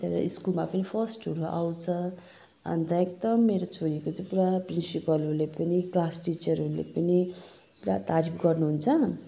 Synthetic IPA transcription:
t̪eɾʌ̰ʔiskulmapʌnipʰʌsʈʌɾuʔa̰wt͡sʰʌ | ʌ̰nt̪ʌjek̚t̪ʌmːeɾot͡sʰoɾikot͡sʌĩpuɾaprinsipʌlulepʌniklasʈit͡sʌɾulḛpʌni | puɾat̪aɾipʰɡʌrnuɦunt͡sʰʌ

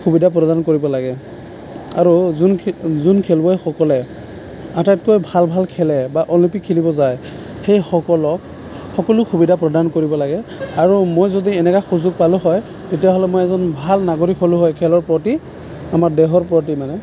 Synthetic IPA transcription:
kʰubidʱapɹɔdankoɹibɔlaɡɛ | a̰ɹuzunzunkʰɛlbɔexɔkɔlɛ | atatkojbʱalbʱalkʰɛlɛbaʔɔlimpikʰːilibɔzaj | xejxɔkɔlɔk | xɔkɔlʊkʰubidapɹɔdankoɹibɔlaɡɛaɹumojzodiɛnɛkaxuzʊɡ̚palʊɦɔj | tetijaɦɔlɛmojɛzɔnbʱalnaɡoɹikʰɔlʊɦɔjkʰɛlɔɹpɹɔti | amaɹdɛɦɔɹpɹɔt̬imanɛ

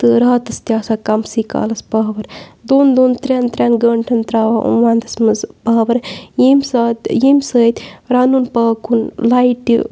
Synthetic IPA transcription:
t̪ɨɾaːt̪ɐst̪jaːsaːkɐmsiːka̰ːlɐsbaːʋɐɾd̪oːnd̪oːnt̪ɾʲaːnt̪ɾʲjaːnɡəːɳʈʰɐnt̪ɾaːʋaʔṵ̃ʋaːnd̪ɐsmɐzbaːʋɐɾjiːmsaːt̪jiːmsəːt̪ʲɾaːnuːnpaːkunlaːiʈḭ

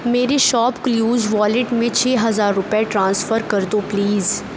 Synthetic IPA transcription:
meːɾeʃɔːpkjuːd͡ʒʋɔːlɪʈmẽt͡ʃʰeːɦɐzaːɾːʊpɛeʈɾãːnsfəɾkɐɾd̪opliːz

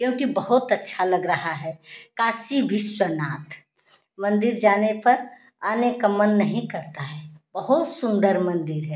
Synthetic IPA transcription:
kjõːkibəɦʊt̪ɐtːʃʰalɐɡɾɐɦaɦɛkaːsibʱɪswənaːt̪ | mɐ̃nd̪ɪɾd͡ʒaːnepɐɾ | anekəmənːəɦĩkəɾt̪aɦɛːb̥ɐɦʊt̪sʊ̃nd̪əɾmɐ̃nd̪ɪɾɦɛ

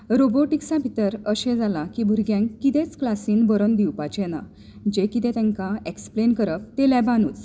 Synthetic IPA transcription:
ɾoboʈiksabʱit̪əɾəɕed͡zalakibʱuɾɡjãŋkːit̪et͡sklasiːnbəɾənd̪iwpat͡ɕenã̰ | d͡ʑekit̪ẽt̪ɛ̃ŋkaeksplenkəɾəft̪elɛbanṵːt͡s

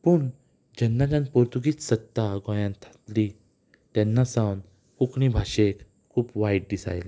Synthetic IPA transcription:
puːɳ | d͡ʑɛnːat̪ãnpɔɾt̪uɡiːt͡ssət̪ːaɡɔ̃jãnt̪ʰḁt̪li | t̪ɛnːasãwn | kukɳibʱaɕek | kʰːuːpʋajʈ̚ɖisa̰jl

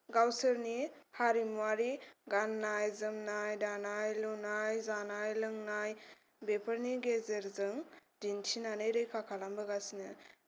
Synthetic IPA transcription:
ɡawsɯɾnihaɾimuwaɾiɡanːajzɯmnajdanajlunajzanajlɯŋnaj | bepʰəɾniɡezeɾzɯŋdintʰinanɯjɾɯjkʰakʰalambəɡasinɯ

